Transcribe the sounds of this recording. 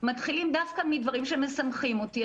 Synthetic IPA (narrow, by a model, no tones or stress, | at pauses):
mat̪χilimdafkamidvaʁimʃemesamχimoti